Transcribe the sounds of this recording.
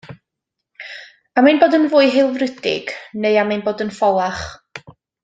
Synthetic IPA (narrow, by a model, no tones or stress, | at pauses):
aminboːdənvʊːɨɦɪlˠvrədɪ̰ɡ̥neɨamajnboːdənfɔlˠaχ